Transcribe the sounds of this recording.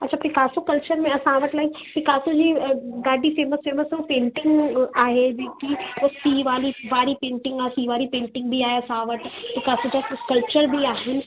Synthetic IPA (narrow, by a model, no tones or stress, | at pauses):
ɐtːʃʰapɾɪkaːsokɐlt͡ʃəɾmẽɐsãːʋəʈlɐipɪkaːsod͡ʒiɡaːɖifeːməsfeːməsopẽːɳʈɪ̃ŋɡaːɦed͡ʒoːkiosiːʋaːliʋaːɾipẽːɳʈɪ̃ŋɡasiʋaːɾipẽːɳʈɪ̃ŋɡbʱiaːeɐsãːʋəʈpɾɪkaːsod͡ʒakɐlpt͡ʃəɾbʱiaːɦɪn